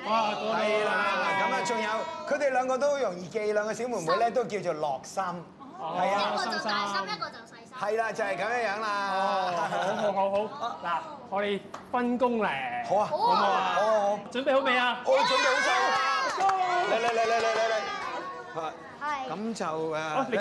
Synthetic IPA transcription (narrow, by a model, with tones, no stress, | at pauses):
aː˧kɔ˧˨a˧a˧la˨kɐ˨˥mɐ˧˩t͡ʃʊ˨ŋjɐ˨˧wkʰɵ˨˧˥t̪e˨˩jlœː˨˧ŋkɔː˧t̪̬o˥jʊ˨˩ŋjiː˨˩ke˧jlœː˨˧ŋkɔː˧si˨˥wmu˨˩nmuː˨˥jlɛː˥t̪o˥wki˧wt͡ʃo˨˩lɔː˨k̚sɐ˥m˨ | hɐ˨jaː˧sɐ˥msɐ˥m | hɐ˨jlaː˧t͡sɐ˨hɐ˨jkɐ˨˥mjaː˥jɐ˨˧˥ŋlaː˧˨˧wɦo˨˦wɦo˨˧wɦo˨˥wlaː˨˩ŋɔː˨˧˥t̪e˨˧jfɐ˥nkʊ˥ŋlɛː˨˩ho˨˥waː˧o˨˦who˨˧˥o˨˧wt͡ʃɵ˨˥npe˨jho˨˥wme˨˧jaː˧ʔo˧t͡snpe˨˧ho˧˥sʰa˨˧˥ | lle˧le˧le˧le˧le˧le˧˩j | haː˨˩ | kɐ˨˥mt͡sɐ˨wɛː˨˧